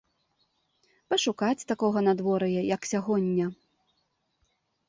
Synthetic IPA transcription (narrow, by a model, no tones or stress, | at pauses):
pɐʂukat͡sʲt̪akɔɣɐnad̪vɔɾɐjɛjɐksʲaɣɔnʲːɐ